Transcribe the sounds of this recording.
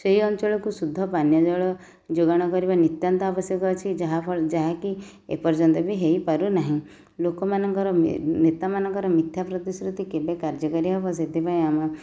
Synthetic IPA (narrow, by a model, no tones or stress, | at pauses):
seɦiɔnt͡ʃɔɭɔkusud̪ʱːɔpanjɔd͡ʒɔɭɔ | d͡ʒoɡaɽ̃ɔkɔɾibanit̪jant̪ɔabɔsjɔkɔt͡ʃʰid͡ʒaɦaɔd͡ʒaɦaki | ḛpɔɾd͡ʒɔnt̪ɔbiɦeipaɾunaɦĩ | lokɔmanɔŋkɔɾɔnet̪amanɔŋkɔɾɔmit̪ʰjapɾɔt̪isɾut̪ikebekaɾd͡ʒɔkɔɾiɦɔpɔs̬et̪ʰipaĩamɔ